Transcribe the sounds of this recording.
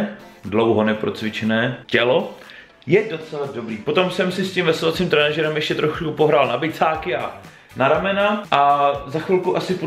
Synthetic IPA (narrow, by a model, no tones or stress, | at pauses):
dlowɦo̞nɛpɾo̞t͡svɪt͡ʃɛnɛːcɛlo̞ | jɛdo̞t͡sɛlado̞bɾiːpo̞t̪o̞msɛmsɪscimvɛsovat͡siːmt̪ɾɛnaʒɛɾɛmjɛʃcɛt̪ɾoxkupo̞ɦɾaːlnabɪt͡saːkɪa | naɾamɛnaʔazaxvɪlkuʔasɪpo